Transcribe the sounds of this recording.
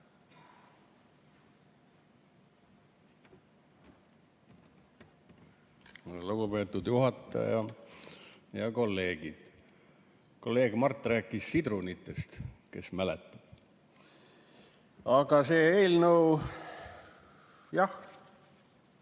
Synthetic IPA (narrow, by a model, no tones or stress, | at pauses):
luɡ̥upe̞ːt̪ːˑud̪̥juɦɑt̪ːˑɑ̰jɑ | jɑko̞lːe̞ːɡ̥id̪̥ | ko̞lːe̞ːɡ̥mɑrt̪ːˑræːkːˑissid̪ɾunit̪ːˑe̞st̪ke̞̰smælet̪ːˑɑb̥ | ɑɡ̥ɑseːeːlnɤw | jɑh